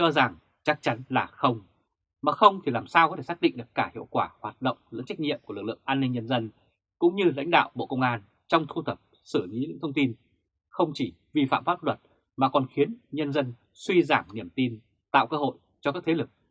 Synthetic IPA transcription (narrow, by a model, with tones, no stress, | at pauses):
t͡ɕɔ˧za˨˩ŋ | t͡ɕa˦˥k̚t͡ɕa˨˦nlaː˨˩xə˧wŋ͡m | maː˨˩xə˧wŋ͡mt̪ʰi˨˩laː˨˩msaː˧wkɔ˨˦t̪ʰe˧˩sa˦˥ɗḭ̈˧˨ɗɨ˨˩əkːaː˧˩hḭ˧˨əwkwaː˧˩hwaː˨˩t̚ɗə̰˧˨wŋ͡mzɨ̰˧˥ŋt͡ɕa˦˥k̚ɲḭ˧˨mku˧˩lɨ˨˩k̚lɨ̰˧˨əŋʔaː˧nːi˧ŋɲə˧nzə˧n | kʊ̰˧˥ŋ͡mɲɨ˧la̰˧˥jŋ̟ɗa̰ː˧˨wɓo̰˧˨kə˧wŋ͡mʔaː˧n | t͡ɕɔ˧wŋ͡mt̪ʰu˧t̪ʰə˨˩p̚ | sɨ˧˩li˨˦ɲɨ̰˧˥ŋt̪ʰə˧wŋ͡mt̪i˧n | xə˧wŋ͡mt͡ɕi˧˩ | vi˨˩fa̰ː˧˨mfaː˦˥p̚lwə˨˩t̚ | maː˨˩kɔ˨˩nxi˨˦ənɲə˧nzə˧n | swi˧zaː˧˩mɲi˧˩əmt̪i˧n | t̪a̰ː˧˨wkəː˧ɦo̰˧˨j | t͡ɕɔ˧kaː˦˥k̚t̪ʰe˨˦lɨ˨˩k̚